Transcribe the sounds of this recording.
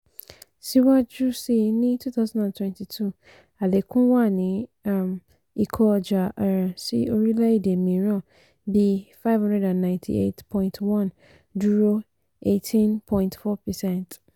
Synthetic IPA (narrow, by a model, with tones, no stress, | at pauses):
si˦wa˦d͡ʒu˦si˨nĩ˦tʰu˦t̪ʰa˦zã˦ndã˨ntʰwɛ̃˦ntʰi˨tʰu˦ | a˨le˨kʰʊ̃˦wa˦˨nɪ̃˨˦a˨m | i˨kʰɔ˦˨d͡ʒa˨ʔa˨ɾã˨sḭ˦o˨˦ɾi˦la˦i˦de˨mĩ˨ɾɔ̃˦˨ | bi˦fa˦ɪ˦vhã˦ndɛ˦dã˨nːã˨ntʰḭ˨ḛ˦tpʰɔ̃˦ɪ̃ntʰwã˦˨n | du˦ɾo˦ | e˦tʰĩ˦npʰɔ̃˦ĩ˦ntfɔ˦pʰɛ˨sɛ̃˦nt